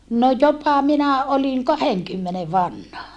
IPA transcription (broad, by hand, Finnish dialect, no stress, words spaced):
no jopɑ minæ olin kɑheŋkymːene ʋɑnhɑ